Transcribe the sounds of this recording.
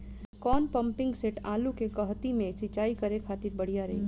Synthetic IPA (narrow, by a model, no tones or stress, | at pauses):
kɔːnpəmpɪ̃ŋɡseʈaːlukekəɦt̪imẽsɪt͡ʃaːikəɾekʰaːt̪ɪɾbəɽ̤ijaɾɐɦḭ